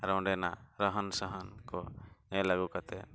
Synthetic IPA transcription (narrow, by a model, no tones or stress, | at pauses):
ɾɔwɳɖɛna̰ɾəɦənsəɦənkɔnɛ̃laɡukat̪ɛ